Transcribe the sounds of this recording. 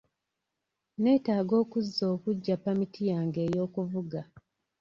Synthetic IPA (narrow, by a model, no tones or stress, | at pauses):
ne̞ːtaːɡo̞ːkuzːo̞ːkuɟːapːamitijaːŋɡe̞ːjo̞ːkuvuɡa